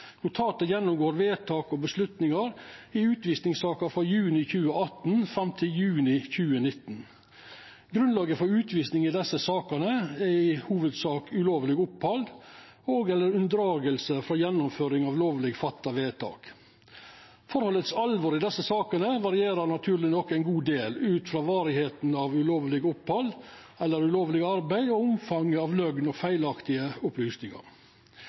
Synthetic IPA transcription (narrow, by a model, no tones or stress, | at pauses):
nʊt̪ʰɑːt̪əjɛnːʊmɡoːɾʋeːt̪ʰɑːkɔbəslʉt̪nɪŋɑɾɪʉːt̪ʋiːsnɪŋsɑːkəfɾɑjʉːnɪçʉːəɑt̪nfɾɑmt̪ʰɪljʉːnɪçʉːənɪt̪ːn | ɡɾʉnlɑːɡəfɔɾʉːt̪ʰʋiːsnɪŋɪd̪ɛsːəsɑːkənəæɪhuːʋəd̪sɑːkʉloːʋlɪɡʊphɑld̪ | oːɡɛlːəɾʉnd̪ɾɑːɡəlsəfɾɑjɛnːʊmføːɾɪŋɑʋloːʋlɪɡfɑt̪ːɑʋeːt̪ʰɑ̰ːk | fɔɾhɔlːət̪sɑlʋɔɾɪd̪ɛsːəsɑːkənəʋɑɾɪeːɾəɾnɑt̪ʰʉːɾlɪnɔkːæɪnɡuːd̪eːlʉːt̪fɾɑːʋɑːɾɪheːt̪nɑʋʉloːʋlɪɡʊphɑld̪ | ɛlːəɾʉloːʋlɪɡɑɾbæɪd̪ɔʊmfɑŋːəɑʋlœɡnɔfæɪlɑkt̪ɪəʊplyːsnɪŋɑ̰ɾ